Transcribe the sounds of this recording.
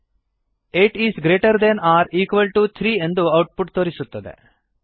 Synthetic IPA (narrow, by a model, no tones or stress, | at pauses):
eːʈiːzɡɾeːʈɐɾd̪ɛnaːɾiːkʋɐlʈut̪ʰɾiːe̞nd̪uɐwʈ̚puʈt̪oːɾisut̪ːɐd̪ḛ